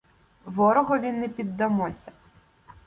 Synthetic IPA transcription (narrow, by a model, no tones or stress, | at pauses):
ʋɔɾɔɦɔʋʲinːɛpʲid̪ːɐmɔsʲɐ